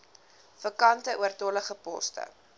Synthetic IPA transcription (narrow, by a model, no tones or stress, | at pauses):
fəkɐntəʔuərtɔləχəpɔ̰stə̰